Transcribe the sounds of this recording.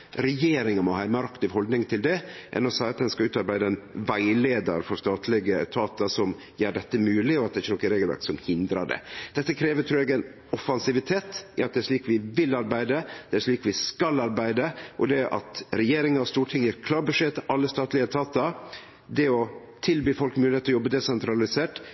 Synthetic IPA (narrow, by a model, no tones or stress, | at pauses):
ɾɛjeːɾɪŋəmɔhɑːɛɪmɑɾɑkt̪ɪʋhɔld̪nɪŋt̪ʰɪld̪ɛʔɛ̰nɔsɑɪɑt̪̚d̪ɛnskɑʉːt̪ɑɾbæɪd̪əɛnʋæɪleːd̪ə̰ɾfɔɾst̪ɑːt̪ʰlɪɡət̪ʰɑːt̪əsɔm | jeːɖɛt̪ːəmʉːlɪɔɑt̪d̪ɛɪçːənɔkːənɾeːɡlʋæ̰ɾksɔmhɪnd̪ɾɑɖɛ̰d̪̥ɛt̪ːəkʰɾeːʋət̪ʰɾuːɛɡɛn | ɔfɑnsɪʋɪt̪ʰeːt̪ɪɑt̪̚d̪ɛæɾʂɭiːkʋɪʋɪlːɑɾbæɪd̪əd̪̥ɛæɾʂɭiːkʋɪskɑlɑɾbæɪd̪əʔɔd̪ɛʔɑ̰t̪ɾɛjeːɾɪŋənɑst̪uːʈʰɪŋjiːɾkʰlɑːɾbʉʂeːt̪ʰɪʔɑlːəst̪ɑːt̪lɪət̪ʰɑːt̪əɾ | d̪ɛɔ | t̪ʰɪlbyːfɔlkmʉːlheːt̪ɔjɔbːəd̪ɛsɛnt̪ɾɑlɪseːʈ